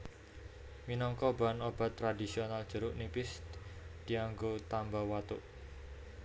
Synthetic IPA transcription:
minɔŋkɔba̤nob̥a̤t̪ːɾadisionald̥ʒ̥ə̤ɾʊʔnipɪsd̪̥iaŋɡot̪ambawat̪uʔ

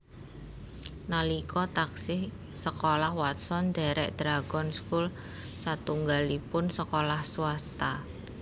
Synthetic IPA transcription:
nalikɔt̪aksɪh | səkolahwat̪sɔnd̪̥a̤ɾɛ̰ʔd̪̥ɾaɡ̥ɔnskul | sat̪uŋɡalipʊnsəkolahsuast̪a

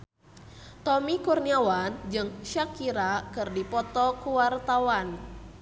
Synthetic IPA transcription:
t̪ɔmikurniawand͡ʒɨŋʃakiɾakɨrdipɔt̪ɔkuwart̪awan

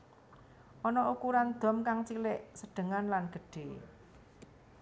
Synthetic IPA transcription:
ʔɔnɔʔukuɾand̪̥ɔ̤mkaŋt͡ʃilɪʔsəɖ̪̥ə̤ŋanlanɡ̥ə̤ɖ̥e

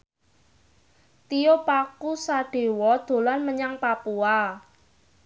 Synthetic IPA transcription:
t̪iopakusaɖ̥e̤wɔd̪̥o̤lanməɲaŋpapua

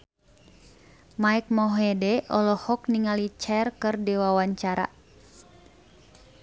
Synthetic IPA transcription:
maik̚mɔɦɛdɛʔɔlɔhɔk̚niŋalit͡ʃɛrkɨrdiwawaɲt͡ʃaɾa̰

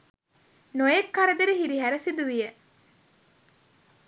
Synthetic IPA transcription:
nojekːɐɾɐd̪eɾiɦiɾiɦæɾɐsid̪uʋije

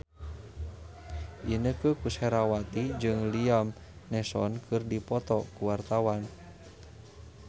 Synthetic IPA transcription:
ʔinəkəkusɛɾawat̪id͡ʒɨŋliam | nɛsɔnkʰɨrdipɔt̪ɔkuwart̪awan

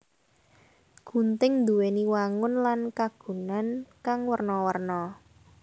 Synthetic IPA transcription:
ɡ̥ṳnt̪ɪŋnd̪uweniwaŋʊnlankaɡ̥ṳnankaŋwərnɔwərnɔ

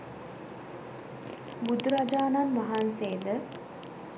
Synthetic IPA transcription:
bud̪uɾad͡ʒaːnanʋaɦanseːd̪ə

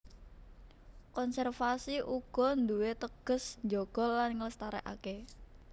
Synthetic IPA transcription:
kɔnsɛrfasiʔuɡ̥ɔ̤nd̪uwet̪əɡ̥ə̤snd͡ʒoɡ̥ɔ̤lːanŋələst̪aɾɛ̰ʔa̰ke

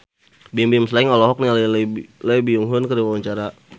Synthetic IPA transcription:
bimbimslaiŋɔlɔɦɔk̚nialləbiuŋɦʊnkəɾiwawaɲt͡ʃaɾa

